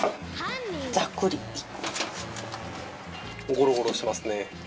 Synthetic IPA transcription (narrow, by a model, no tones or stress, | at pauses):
d͡zakːɯɾʲii | ɡoɾoɡoɾoɕimasɨne̞